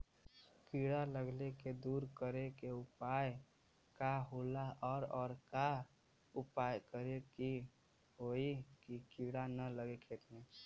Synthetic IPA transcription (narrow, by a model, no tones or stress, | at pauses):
kiɽaləɡleked̪uːɾkəɾekeupaj | kaɦolaʔɔːɾɔːɾka | upajkəɾeki | ɦoikikiɽanələɡekʰet̪mẽ